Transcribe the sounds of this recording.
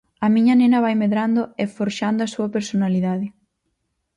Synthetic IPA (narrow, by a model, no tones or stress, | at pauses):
ɐmiɲɐnenɐβajmeðɾand̪ʊefoɾʃand̪oɐsuɐpeɾsonaliðaðɪ